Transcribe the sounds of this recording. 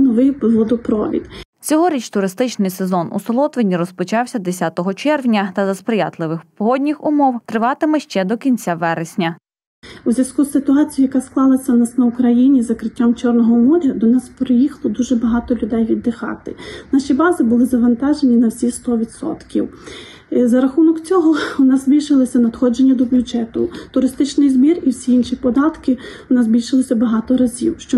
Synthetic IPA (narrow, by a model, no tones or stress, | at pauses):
nɔʋɪjplˠɔd̪ɔpɾɔ̰ʋʲḭd̪t͡sʲɔɦɔɾʲit͡ʃt̪ʊɾɪst̪ɪt͡ʃnɪjsezɔnṵsɔlˠɔt̪ʋenʲiɾɔspɔt͡ʃɑwsʲɐd̪esʲat̪ɔɦɔt͡ʃɛrwnʲɐt̪ɐzɐspɾɪjɑ̰t̪lˠɪʋɪxpɔɦɔdʲnʲixʊmɔwt̪ɾɪʋɑt̪ɪmɛʃt͡ʃɛd̪ɔkʲinʲt͡sʲaʋɛɾesʲnʲɐ | uzʲjɐskusɪt̪ʊɑt͡sʲijʊjɐkasklˠɑlˠɐsʲːɐnasnɐʊkɾɐjinʲizɐkɾɪtʲːamt͡ʃɔrnɔɦɔmɔɾʲɐd̪ɔnɑspɾɪjixlˠɔd̪uʒɛbɐɦɑt̪ɔlʲʊd̪ɛjʋʲid̪ːɪxɑ̰t̪ɪ̰nɑʃʲibɑzɪbʊlˠɪzɐʋɐnt̪ɑʒenʲinɐwsʲist̪ɔʋʲid̪sɔ̰t̪kʲiw | zɐɾɐxunɔkt͡sʲɔɦɔʊnɑzzʲbʲilʲʃɪlˠɔsʲɐnɐd̪xɔd͡ʒenʲːɐd̪ɔbʲʊʒɛt̪ʊt̪ʊɾɪst̪ɪt͡ʃnɪjzbʲiriwsʲiinʃipɔd̪ɑt̪kɪʊnɑzʲbʲilʲʃɪlˠɔsʲɐbɐɦɑt̪ɔɾɐzʲiwʃt͡ʃɔ